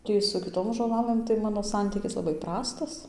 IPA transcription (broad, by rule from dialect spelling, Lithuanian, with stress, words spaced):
ˈtʲiː sʊ kʲɪˈtoːm ʒoːˈlˠɑːlˠɘm tɐɪ ˈmɑːnoː ˈsɐnʲtʲiːkʲɪs lˠɐˈbɐɪ ˈprɑːstɐs